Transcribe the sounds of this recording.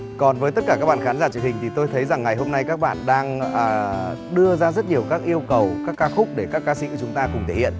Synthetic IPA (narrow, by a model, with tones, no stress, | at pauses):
kɔ˨˩nvəː˨˦t̪ə˦˥t̚kaː˧˩kaː˦˥k̚ɓa̰ː˧˨˩xaː˨˦nzaː˧˩t͡ɕɨ˨˩ŋ̚hï˨˩ŋ̟t̪i˨˩t̪o˧jt̪ʰə˨˦jza˨˩ŋːa˨˩jɦo˧mna˧jkaː˦˥k̚ɓa̰ː˧˨nɗaː˧ŋəː˨˩ɗɨ˧əzaː˧zə˦˥t̚ɲi˨˩əwkaː˦˥k̚ʔi˧əwkə˨˩wkaː˦˥kːaː˧xʊ˦˥k͡p̚ɗe˧˩kaː˦˥kːaː˧sḭ˧kːt͡ɕʊ˨˦ŋ͡mt̪aː˧kʊ˨˩ŋ͡mt̪ʰe˧˩hḭ˧˨ən